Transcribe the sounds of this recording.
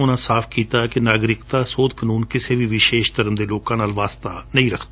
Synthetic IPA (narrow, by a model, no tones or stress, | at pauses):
ʊnãːsaːpʰkiːt̪aːkɪnaːɡɾɪkt̪aːsoːd̪kənuːnkɪseːʋiːʋɪʃeːʃt̪əɾəmd̪eːloːkãːnaːlʋaːst̪aːnəĩːɾəkʰd̪aː